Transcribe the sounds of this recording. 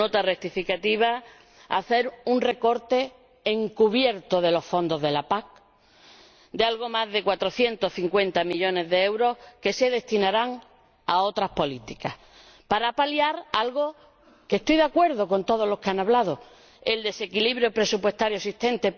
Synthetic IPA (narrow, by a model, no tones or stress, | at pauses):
not̪arek̚t̪ifikat̪iβ̞a | a̰θe̞ɾunre̞ko̞ɾt̪e̞ː | ŋkuβ̞je̞ɾt̪oðe̞lo̞sfo̞nd̪o̞zðe̞lapak̚ | d̪ealɣo̞mazðe̞kwat̪ɾo̞θje̞nt̪o̞sθiŋkwe̞nt̪amiʎo̞ne̞zðee̞wɾo̞hke̞se̞ðe̞st̪inaɾaŋ | ao̞t̪ɾahpo̞lit̪ikah | paɾapaljaɾalɣo̞ | ke̞st̪ojðakwe̞ɾðo̞ko̞nt̪o̞ðo̞lo̞hkeanaβlaðo | eld̪e̞se̞kiliβɾjo̞pɾe̞supwe̞st̪aɾjoesiht̪ẽ̞nt̪e̞